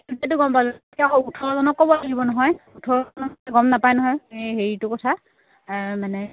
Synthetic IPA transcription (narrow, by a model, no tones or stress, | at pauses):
tetʊɡɔmpazɔkiaɦɔutʰɔɹɔzɔnɔkːɔbɔlaɡibɔnɔɦɔjutʰɔɹɔnɔɛɡɔmnapajnɔɦɔjeɦeɹitʊkɔtʰa | manɛ